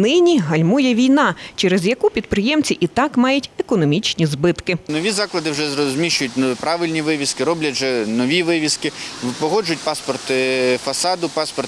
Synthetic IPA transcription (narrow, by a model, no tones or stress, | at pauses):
nɪnʲiɦɐlʲmujɛʋʲijnɑt͡ʃɛɾɛzjɐkupʲid̪̚pɾɪjɛmt͡sʲiʔit̪ɑkmɑjʊtʲɛkɔnɔmʲit͡ʃnʲizbɪt̪kɪnɔʋʲizɑklˠɐd̪ɪwʒɛzɔzʲmʲiʃt͡ʃʊjʊtʲnpɾɑʋɪlʲnʲiʋɪʋʲiskɪɾɔblʲɐʒɛnɔʋʲiʋɪʋʲiskɪpɔɦɔd͡ʒʊjʊtʲpɑspɔrt̪fɐsɑd̪ʊpɑspɔr